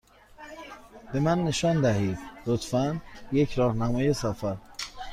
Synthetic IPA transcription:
b̥e̞mænːe̞ʃɒːnd̪æɦiːd̪lot̪ʰfænje̞cʰɾɒːhnæmɒːje̞sæfæɾ

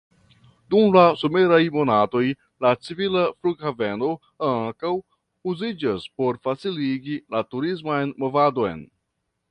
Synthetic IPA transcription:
dumlasome̞ɾajmo̞nato̞j | lat͡sivilafluɡhave̞no̞ | aŋkaw | uzid͡ʒaspo̞ɾfat͡siliɡilatuɾizmajnmo̞vado̞jn

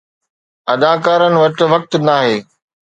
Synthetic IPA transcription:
ɐd̪aːkaːɾənɪ̆ʋɐʈ̆ʋɐk̚t̪naːɦeː

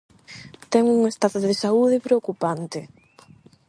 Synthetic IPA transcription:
t̪ɛŋuŋest̪aðozðesauðɪpɾeokupant̪ɪ

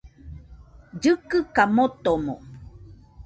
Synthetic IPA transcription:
d͡ʒɨkɨkamot̪omo

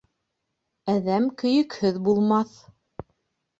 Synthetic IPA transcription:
æðæmkɵ̆jɵ̆khɘðbulˠmɑθ

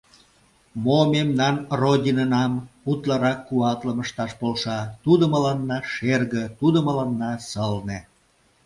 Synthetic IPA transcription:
momemnɑnrodʲinənɑmut̪lɑɾɑkːuɑt̪ləməʃt̪ɑʃpolʃɑt̪ud̪ə̆məlɑnːɑʃerɣə̆t̪ud̪əməlɑnːɑsəlne

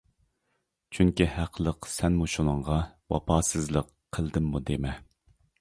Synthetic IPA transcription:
t͡ʃʰyŋkʲihæqʰəlˠəqsɛnmuʃunəɴʁɑwɑ̰pʰɑːsɨzlˠəqʰːəlˠd̪ɪmːud̪emɛ

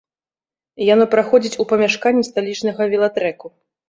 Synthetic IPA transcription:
janɔpɾaxɔd͡zʲit͡sʲupɐmʲaʂkanʲːist̪alʲit͡ʂnɐɣɐvʲilˠat̪ɾɛku

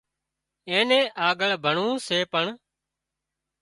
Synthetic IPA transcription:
ẽːnẽːʔaːɠəɭbʱəɳũːseːpəɳ

